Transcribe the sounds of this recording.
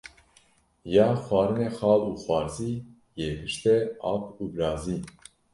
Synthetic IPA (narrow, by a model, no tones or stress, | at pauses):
jɑːxwɑːɾɨnexɑːluːxwɑːɾziː | jeːbɨʃt̪ɛɑpʰuːbɾɑːziː